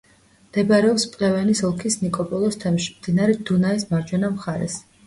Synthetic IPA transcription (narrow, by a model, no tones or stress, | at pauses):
md̪̥ɛbaɾɛɔpspʼlɛvɛnisɔlˠkʰisnikʼɔpʼɔlˠɔst̪ʰɛmʃi̥md̪inaɾɛd̪̥unaismaɾd͡ʒwɛnamχaɾɛ̰s